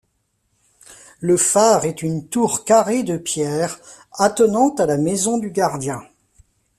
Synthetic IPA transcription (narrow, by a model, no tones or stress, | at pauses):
ləfaʁɛt̪ynt̪uʁkaʁed̪əpjɛːʁ | at̪ənɑ̃t̪alamɛzɔ̃d̪yɡaʁd̪jɛ̃